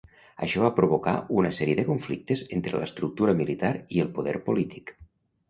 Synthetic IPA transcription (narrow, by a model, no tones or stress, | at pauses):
ə̰ʃɔβapɾoβoka̰unəsɛɾieðəkuɱflik̚t̪ezent̪ɾələ̰st̪ɾuk̚t̪uɾəmilit̪aɾielˠpoðɛ̰ɾpolit̪i̥k